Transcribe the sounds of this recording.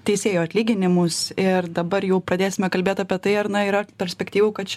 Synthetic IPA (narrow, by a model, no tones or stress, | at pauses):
t̪ʲɛɪsʲeːjoːɐt̪ʲlʲiːɡʲɪnʲɪmʊsɪrd̪ɐbɐɾjɛʊpɾɐd̪ʲeːsʲɪmʲɛkɐlʲbʲeːt̪ɐːpʲiɛt̪ɐɪɐɾnɐiɾɐpʲɛɾʲsʲpʲɛkt̪ʲiːʋʊːkɐt̪t͡ʃʲ